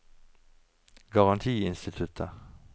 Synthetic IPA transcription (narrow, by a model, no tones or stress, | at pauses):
ɡɑʁɑnt̪ʰiːɪnst̪ɪt̪ʰʉt̪ʰə